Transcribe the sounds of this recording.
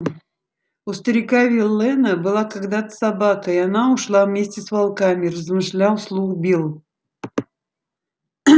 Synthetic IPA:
ʊst̪əɾʲɪkavʲɪlʲˠːɛnəbɨlˠakaɡd̪at̪ə̥sɐbakəianaʊʂlˠavmʲesʲtʲɪsvalˠkamʲɪrəzmɨʂlʲawˠslˠuxbʲilˠ

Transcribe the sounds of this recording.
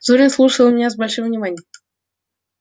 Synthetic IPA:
zuɾʲɪnslˠuʂəlˠmʲɪnʲazbɐlʲʂɨmvnʲɪmanʲɪjəm

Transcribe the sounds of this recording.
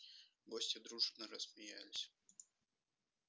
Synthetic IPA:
ɡosʲtʲɪd̪ɾuʐnəɾəsmʲɪjæ̰lʲɪsʲ

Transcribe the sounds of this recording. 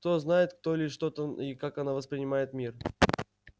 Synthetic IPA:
kt̪o̞znajɪt̪k̚t̪olʲɪʂʂt̪ot̪əikakɐnavəspɾʲɪnʲɪmajɪt̪mʲir

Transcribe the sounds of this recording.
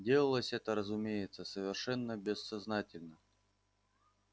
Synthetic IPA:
dʲelˠəlˠəsʲɛt̪əɾəzʊmʲejɪt̪səsəvʲɪrʂɛnːəbʲɪsːɐznatʲɪlʲnə

